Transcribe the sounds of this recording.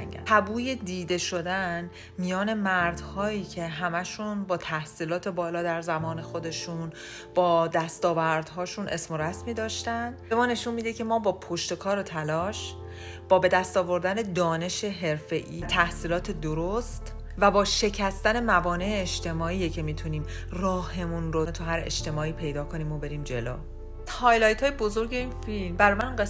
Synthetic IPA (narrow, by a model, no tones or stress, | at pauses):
ŋæ̰æbuːje̞d̪iːd̪e̞ʃo̞d̪æn | mijɒːne̞mæɾd̪hɒːiːcʰe̞ɦæmæʃunbɒːt̪ʰæhsiːlɒːt̪ʰe̞bɒːlɒːd̪æɾzæmɒːne̞xo̞d̪e̞ʃun | b̥ɒːd̪æst̪ɒːvæɾd̪ɦɒːʃunʔe̞smo̞ɾæsmiːd̪ɒːʃt̪ænbe̞mɒːne̞ʃunmiːd̪ecʰe̞mɒːbɒːpʰoʃt̪e̞kʰɒːɾot̪ʰælɒːʃ | b̥ɒːbe̞d̪æst̪ɒːvo̞ɾd̪æne̞d̪ɒːne̞ʃe̞ɦe̞ɾfe̞ʔiːt̪ʰæhsiːlɒːt̪ʰe̞d̪oɾost̪ | væbɒːʃe̞cʰæst̪æne̞mævɒːneʔeːʃt̪ʰe̞mɒːiːjecʰe̞miːt̪ʰuniːm | rɒːhe̞munɾont̪ʰuɦæɾe̞̰ʃt̪e̞mɒːiːpʰe̞jd̪ɒːkʰo̞niːmo̞be̞ɾiːmd͡ʒe̞lo̰ː | hɒːjlɒjt̪ʰhɒːjebo̞zo̞ɾɟe̞infilmbæɾjmænue